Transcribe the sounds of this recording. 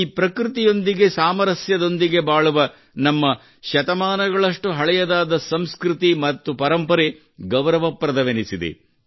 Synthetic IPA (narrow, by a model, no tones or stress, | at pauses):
iːpɾɐkɾit̪ijo̞nd̪iɡe̞saːmɐɾɐsjɐd̪o̞nd̪iɡe̞baːɭuʋɐ | nɐmːɐ | ʃɐt̪ɐmaːnɐɡɐɭɐʂʈuɦɐɭɛjɐd̪aːd̪ɐsɐmskɾut̪imɐt̪ːupɐɾɐmpɐɾe | ɡɐʋɾɐʋɐpɾɐd̪ɐʋenisid̪ḛ